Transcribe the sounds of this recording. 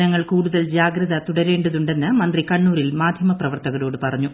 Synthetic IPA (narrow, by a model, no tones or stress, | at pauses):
nɐŋːɐɭkuːɽuðɐld͡ʑaːɡɾɐðɐt̪uɽɐɾe̞ːɳɖuðuɳɖe̞nːɨmɐnd̪rikɐɳːuːɾilmaːd̪ʱjɐmɐprɐʋɐrt̪ɐɣɐlo̞ːɽɨpɐrɐɲːu